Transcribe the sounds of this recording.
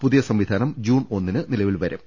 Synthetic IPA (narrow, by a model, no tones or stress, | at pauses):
puðijɐsɐmʋid̪ʱaːnɐmd͡ʑuːno̞nːinɨnilɐʋilʋɐɾɐm